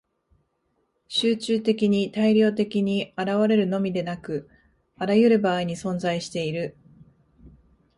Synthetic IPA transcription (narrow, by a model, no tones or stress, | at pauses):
ɕɨːt͡ɕɨːt̪e̞kʲiɲ̟it̪aiɾʲo̞ːt̪e̞kʲiɲ̟iaɾaβaɾe̞ɾɯ̟no̞mʲid̪e̞nakɯ̟ | aɾajɯ̟ɾɯ̟baːiɲ̟isõ̞nzaiɕi̥t̪e̞iɾɯ̟